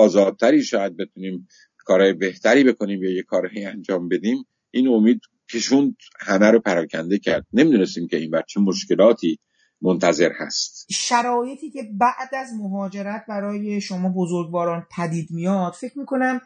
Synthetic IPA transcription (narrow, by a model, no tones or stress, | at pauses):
ɒːzɒːd̪̚t̪ʰːæɾiːʃɒːjæd̪̚be̞t̪ʰuniːm | kʰɒːɾɒːjebe̞ht̪ʰæɾiːbe̞kʰo̞niːmjejekʰɒːɾhejænd͡ʒɒːmbe̞d̪iːm | ʔiːnomiːd̪ | cʰeʃund̪ | hæmæɾopʰæɾɒːcʲʰænd̪e̞cʰæɾd̪̥̚nemiːd̪unest̪iːmcʲe̞iːnbæɾt͡ʃʰemoʃke̞lɒːt̪ʰiː | mont̪ʰæze̞ɾhæ̰st̪ʃæɾɒːje̞t̪ʰiːcʰe̞bæʔd̪æzmoɦɒːd͡ʒe̞ɾæt̪̚ʰbæɾɒːje̞ʃo̞mɒːbo̞zoɾɡvɒːɾɒːnpʰæd̪iːd̪mijɒd̪̥fe̞cʰmiːko̞næm